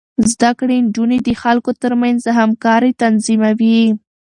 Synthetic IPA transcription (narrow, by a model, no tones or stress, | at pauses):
zd̪akɽeɳd͡ʒuned̪əxalkot̪əɾmanzəɦamkɑɾit̪anzimawi